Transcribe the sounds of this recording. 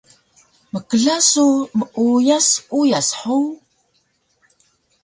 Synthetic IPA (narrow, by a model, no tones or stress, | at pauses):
məkəɮasuməʔujasujasħuw